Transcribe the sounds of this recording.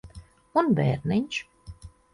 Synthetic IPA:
unbḛːɾniɲʲʃ

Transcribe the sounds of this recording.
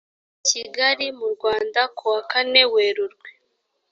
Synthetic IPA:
ciɡaɾimuɾɡwaːndakuwakane̞weːɾuɾɡwe

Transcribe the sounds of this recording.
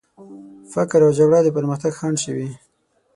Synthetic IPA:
fakɾawd͡ʒaɡɽɑd̪əpəɾməxt̪aɡxɑɳɖʃəwi

